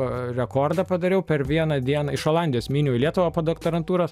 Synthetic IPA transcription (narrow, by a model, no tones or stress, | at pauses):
ɾʲɛkoːrd̪ɐpɐd̪ɐɾʲɛʊpʲɛrʋʲiɛnɐd̪ʲiɛnɐɪʃoːlˠɑnʲd̪ʲɪjoːsmʲiːnʲuːɪlʲiɛt̪ʊʋɐpoːd̪okt̪oɾɐnt̪uːɾoːs